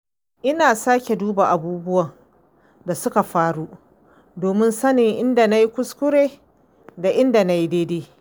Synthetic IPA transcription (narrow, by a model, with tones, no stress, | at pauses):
ʔɪ˦naː˨saː˦kʲe˨duː˦ba˨ʔa˨buː˦bʊ˦wɐ˨ŋ | da˨sʊ˦ka˨ɸaː˦ɽu˦ | doː˨mɪ˦nsɐ˦nɪ˨ŋʔɪ˦nda˨na˦ji˦kʷʊ˦skʷʊ˦ɾeː˦ | da˨ʔɪ˦nda˨na˦ji˦deː˦deː˦